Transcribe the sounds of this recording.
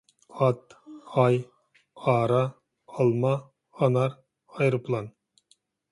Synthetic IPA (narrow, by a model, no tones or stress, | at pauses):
ɑt̪ɑj | ɑːɾɑ | ɑlˠmɑ | ɑnɑɾ | ɑjɾɨpʰlˠɑn